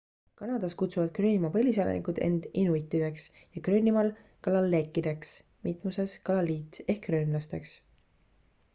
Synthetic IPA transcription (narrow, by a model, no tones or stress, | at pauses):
kɑnɑd̪̥ɑskut̪suvɑd̪̥krøːnʲimɑpɤlʲisɑlḛnḭkud̪̥e̞̰nd̪̥inuit̪ːˑid̪̥e̞ks | jɑkrøːnʲimɑl | kɑlɑlːe̞kːˑid̪e̞ks | mit̪ˑmuse̞skɑlɑlːiːt̪ˑe̞hkːrøːnlɑst̪e̞ks